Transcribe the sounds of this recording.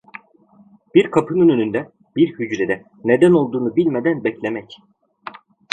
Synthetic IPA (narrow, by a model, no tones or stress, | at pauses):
b̥iɾkʰapʰɯnønønynd̪ɛ | biɾhyd͡ʒɾed̪ɛ | ned̪æno̞lˠd̪uːnubilʲmed̪ænbɛclʲemɛc